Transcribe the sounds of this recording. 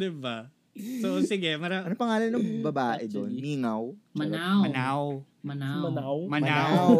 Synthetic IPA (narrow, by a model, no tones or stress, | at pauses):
d̪ɪba | sosɪɡɛmɐɾanɐpɐŋaːlɐnːɐŋbɐbaːʔʔɛd̪onmiːŋɐwmɐnawɐnaw | mɐnamɐnawmɐnmaaw